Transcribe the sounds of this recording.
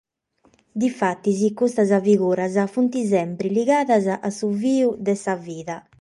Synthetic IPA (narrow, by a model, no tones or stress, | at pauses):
d̪ifat̪ːizikust̪azaviɣuːɾazafunt̪izɛmpɾiliɣaːðazaʔasuviːud̪ɛsaviːða